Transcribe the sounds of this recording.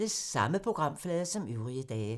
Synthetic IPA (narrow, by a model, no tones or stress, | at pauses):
ləsːɑ̈məpʰʁo̝ɡ̥ʁɑ̈m̰flɛːðˠɐsɒ̽myʊʁiəd̥ɛːɪ